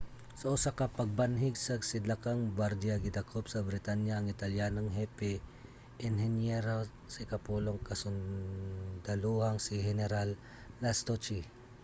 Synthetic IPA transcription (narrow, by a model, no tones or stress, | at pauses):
sɐʔʊsakɐpɐɡ̚banɦɪɡsɐsɪd̪lakaŋbaɾd̪iaɡɪd̪akʰopsɐbɾɪt̪anjaːŋɪt̪ɐljaːnoŋɦɛpɛ | ʔɛnhɛnjɛɾo | sɪkɐpuloŋkɐsʊn | d̪ɐluhaŋsiɦɛnɛɾalː | ast̪ot͡ʃi